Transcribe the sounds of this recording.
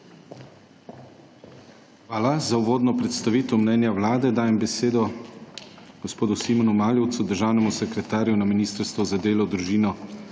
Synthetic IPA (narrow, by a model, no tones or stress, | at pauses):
xʋaːlazauʋoːd̪nɔpɾɛt̪st̪aʋiːt̪əwmnɛːnjawlaːd̪ɛd̪aːjɛmbɛseːd̪ɔ | ɡ̥ospoːd̪usiːmɔnumaːljɔwt̪sud̪əɾʒaːwnɛmusɛkɾɛt̪aːɾjunaminiːst̪əɾst̪ʋɔzad̪eːlɔd̪ɾuʒiːnɔ